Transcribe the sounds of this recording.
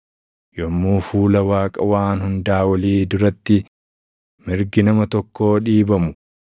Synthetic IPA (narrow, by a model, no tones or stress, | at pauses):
jɔmːuːfuːlɐwaːkʼɐwaːnhʊnd̪aːwɐliːd̪ʊɾɐt̪ːɪ | mɪɾɡɪnɐmɐt̪ɔkːo̞ːᶑiːbɐmʊ